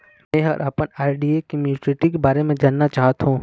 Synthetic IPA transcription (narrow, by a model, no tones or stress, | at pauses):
mɛ̃ːɦɐɾʔɐpənaːɪɖiekimjuɪʈeʈikebaːɾemẽd͡ʒaːnːat͡ʃaːɦt̪ɦũː